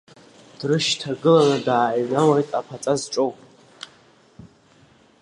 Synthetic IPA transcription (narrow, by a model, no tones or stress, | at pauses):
d̥rɨʃtʰaɡɨlanadaːnawajtʼapʰat͡sʼazʈ͡ʂʼowʼ